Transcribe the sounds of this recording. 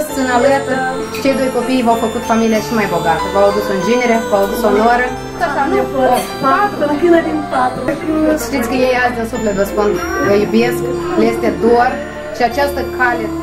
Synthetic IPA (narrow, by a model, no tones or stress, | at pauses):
ssɨnalət̪ | t͡ʃejd̪ojkopijvawfəkut̪familiaʃimajboɡat̪əvawd̪usɨnd͡ʒineɾevawd̪usonoɾə | sat̪anuə | ukʲinad̪int̪at̪ʃt̪it̪sʲkəjejalt̪ʲɨnsuflet̪vəspunvəjubeskljest̪ed̪or | ʃiat͡ʃast̪əkʰalʲe